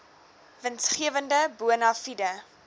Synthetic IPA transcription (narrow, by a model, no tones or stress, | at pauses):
vənsχiəvəndəbuənɑfidə